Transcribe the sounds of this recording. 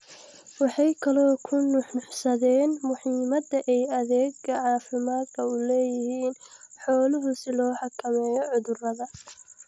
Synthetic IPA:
wɑħɑjkʰɐlɔːkʰʊnʊħʊħsɐðɛːnmʊħiːmɐd̪ɐʔɛjɐðɛːɡɐʕɑːfɪmaːd̪kʰɐʊlɛːjɪɦiːn | ħɔːlʊɦʊsɪlɔːħɑkʰɐmɛːjɔʕʊðʊrɐðɐ

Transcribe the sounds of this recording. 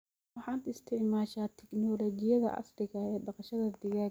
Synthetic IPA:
ɑħɑːd̪ɪst̪ʰɪʕmaːʃaːt̪ʰɛknɔlɔɡɪjɐðɐ̰ʔɑ̰srɪɣɐɛːɖɑqɑʃɐðɐd̪ɪɣaː

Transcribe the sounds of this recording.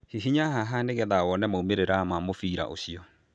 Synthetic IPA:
hiɦiɲaɦaɦaneɣɛðawɔnɛmaumeɾeɾamamofiːɾa̰ʔo̰ɕiɔ

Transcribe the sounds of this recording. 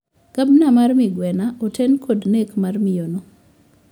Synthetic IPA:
ɡ̥abnamarmɪɡwɛnaʔɔtʰɛnkʰodnekmarmɪjono

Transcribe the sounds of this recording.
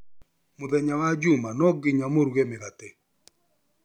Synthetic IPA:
mʊðɛɲawad͡ʒʊmanɔɡɪɲamoɾuɡemɪɣate

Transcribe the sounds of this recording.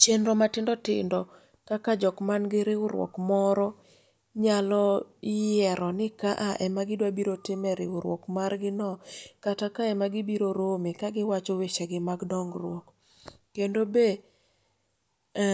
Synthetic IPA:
t͡ʃenɾɔmatɪndɔtɪ̰ndɔ | kakad͡ʒɔkmanɡɪɾɪʊɾwɔ̰kmɔɾɔ | ɲalɔɪjɛɾɔnɪkaʔaʔɛmaɡɪdwabiɾotɪmɛɾɪʊɾwɔ̰kmarɡɪnɔkatakaɛmaɡɪbiɾoɾomikaɡɪwat͡ʃɔwet͡ʃeɡɪmaɡdɔŋɡɾwɔkː | endobe

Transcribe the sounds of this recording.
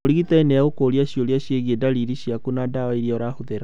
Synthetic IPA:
oɾiɣitaenɛaokoɾiaɕjoliaɕjeɣiedaɾiɾiɕiakunadawaiɾiɔɾahoðeɾa

